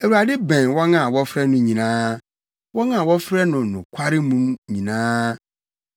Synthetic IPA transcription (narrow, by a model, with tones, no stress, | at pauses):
ɛ˨wu˨a˨dɪ˦bɛ̃˨nwɔ˦ŋã˦˨wɔ˦fɾɛ˦nʊ̃˦ɲĩ˨nãː˦ | wɔ˦ŋã˦˨wɔ˦fɾɛ˦nʊ̃˨nʊ̃˨kʷʰa˦ɾɪ˦mũ˦mɲĩ˨nãː˦